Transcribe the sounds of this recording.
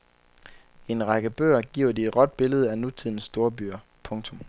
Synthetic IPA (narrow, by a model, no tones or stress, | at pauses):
e̝nʁɑɡ̥əb̥ø̰ːɐɡ̥iɐ̰ʊd̥ie̝d̥ʁɒ̽d̥̚b̥e̝ləð̞̩ˠænut͡sʰiðˠn̩sːd̥o̝ːɐbyːɐ | pʰɔ̽ŋt͡sʰɔ̽m